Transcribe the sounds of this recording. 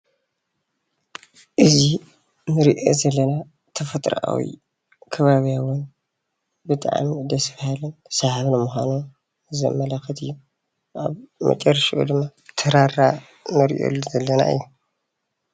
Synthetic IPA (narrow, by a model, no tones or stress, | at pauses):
ʔɨzi | nɨɾiʔo̰zɐlːɐna | t̪ʰɐfɐt̪ʼɾ̰ʔa̰wḭ | kʰɐβaβijawʊn | bɨt̪ʼa̰ʕmid̪ɐsfahalɨnsɐhaβnɐmuxʷano | zɐ̰mːɐlaxɐt̪ʰɨjːu | ʔaβmɐ̰t͡ʃʼɐɾːʃʔṵd̪ɨmːat̪ʰɐɾara | nɨɾ̰ʔo̰lzɐlːɐna̰ɨ̰jːu